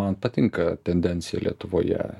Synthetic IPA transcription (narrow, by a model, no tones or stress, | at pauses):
ɐnpɐt̪ʲɪŋkɐt̪ʲɛnʲd̪ʲɛnʲtsʲɪjɛ̰lʲiɛt̪ʊʋoːjɛ̰